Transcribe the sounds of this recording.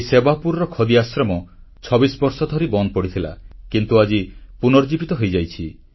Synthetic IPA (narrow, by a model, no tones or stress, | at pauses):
sebapuɾɔɾɔkʰɔd̪iasɾɔmɔt͡ʃʰɔbisbɔɾsɔd̪ʱɔɾibɔnd̪ɔpɔɽit̪ʰila̰kint̪uad͡ʒipunɔɾd͡ʒibit̪ɔɦojd͡ʒajt͡ʃʰi